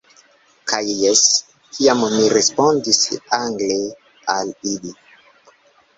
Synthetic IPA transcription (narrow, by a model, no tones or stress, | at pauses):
kajes | kʰiammirespond̪isḭaŋɡle | alili